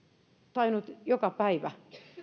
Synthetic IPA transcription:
t̪ɑinut̪jokɑpæiʋæ

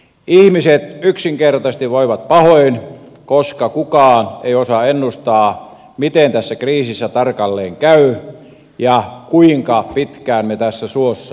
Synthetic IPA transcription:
ihmiset̪yksiŋkert̪ɑst̪iʋʋoiʋɑt̪̚pɑhoin | koskɑkukɑːneiosɑenːust̪ɑː | mit̪ent̪æsːækriːsisːæt̪ɑrkɑlːeːŋkæy | jɑkuiŋkɑpit̪kæːnmet̪æsːæsuosːɑ

